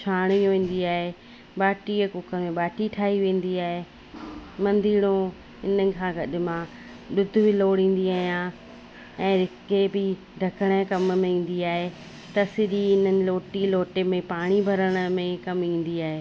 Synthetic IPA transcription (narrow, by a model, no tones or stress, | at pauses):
t͡ʃʰaːɽ̃ijõʋẽːn̆d̪iaːɦe | ɓaːʈikʊkʰə̆mẽɓaːʈiʈʰaːɦiʋẽːn̆d̪iaːɦe | mɐ̃nd̪iːɽ̃õ | ɪnənɪ̆kʰãːɡɐɗɪ̆mã | ɗʊd̪ʱʊbɪloːɽĩːn̆d̪iaːɦijã | ɛ̃ːɾɪkebɪ | ɖʱɐkəɽ̃əkɐmmẽĩːn̆d̪iaːɦe | t̪ɐsɪɾiɪn̤ənɪ̆loːʈiloːʈemẽpaːɽ̃ibʱɐɾəɽ̃ə̆mẽkɐmĩːn̆d̪iaːɦeː